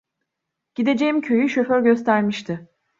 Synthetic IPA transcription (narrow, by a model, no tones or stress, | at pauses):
ɟ̥id̪e̞d͡ʒe̞imcʰø̞jyʃø̞føɾɟø̞st̪ʰæɾmiʃt̪ʰɪ